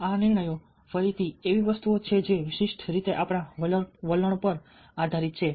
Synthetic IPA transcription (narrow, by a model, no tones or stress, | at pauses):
anɪɾɳ̃əjo | fəɾit̪ʰieʋiʋəst̪uot͡ʃʰed͡ʒeʋɪʃiʃʈʰɾit̪eʔapɽ̃aʋələɳ̃pəɾ | ad̪ʱaɾit̪̚t͡ʃʰe